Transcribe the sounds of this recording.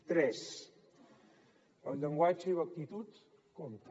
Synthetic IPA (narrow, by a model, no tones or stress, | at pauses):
t̪ɾɛs | əlʎəŋɡwad͡ʒəiwək̚t̪it̪ut̪ | kɔnt̪